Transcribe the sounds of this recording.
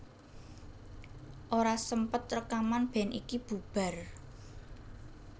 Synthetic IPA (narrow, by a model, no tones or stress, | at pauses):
ʔoɾasəmpət̪̚rəkamanb̥ɛ̤nʔikib̥ṳb̥a̤r